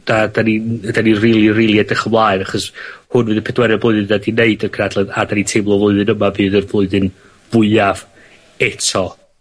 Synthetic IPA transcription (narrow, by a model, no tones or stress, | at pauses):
d̥adanind̥anirilˠirilˠjadəχəmlˠaɨɾaχɔshʊnvɨːðəpʰɛdwɛɾɛblʊɨðɨndadineɨdərkʰnadlˠɛðadanintʰejmlˠɔvlˠʊɨðɨnəmavɨːðərvlˠʊɨðɨn | v̥ʊɨav | ɛtʰɔ